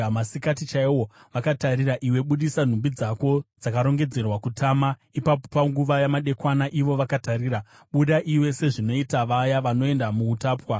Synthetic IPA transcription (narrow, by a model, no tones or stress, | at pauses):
masikatit͡ʃaiwoʋakataɾiraʔiwe̞ɓuɗisan̤umbid͡zako̞d͡zakaɾo̞ŋɡe̞d͡ze̞rwakutʰaːmaipapopaŋɡuʋajamaɗe̞kwanaʔiʋo̞ʋakataɾiːɾa | ɓuɗaʔiwe̞se̞ʐino̞itaʋajaʋano̞e̞ndamuːtaːpwa